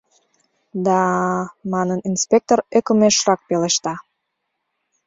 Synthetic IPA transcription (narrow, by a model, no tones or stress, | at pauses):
d̪ɑmɑnəninspek̚t̪orekəmeʃrɑk̚peleʃt̪ɑ